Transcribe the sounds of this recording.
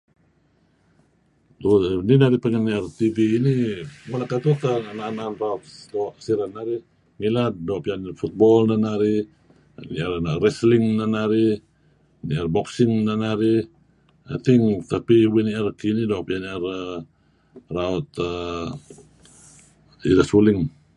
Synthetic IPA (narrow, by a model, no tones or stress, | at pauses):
duninaɾipəŋaniart̪iviːnimalakat̪ut̪aanananraut̪̚doʔsiɾanːaɾi | ŋilat̪̚doʔpianfut̪̚bɔlnanaɾi | niarnarɛsliŋnanaɾi | niarbɔksiŋnanaɾi | a̰t̪iŋt̪apiwiniarkinidoaʔpianiar | raɔt̪a | ḭdasulɪŋ